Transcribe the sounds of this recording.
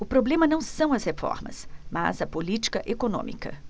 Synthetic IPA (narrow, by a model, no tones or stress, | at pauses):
ʊpɾoblẽmɐnɐ̃w̃sɐ̃w̃ɐshefɔ̰ɾmɐ̰sma̰zɐpolit͡ʃi̥kɐʔekonõ̰mḭkɐ̰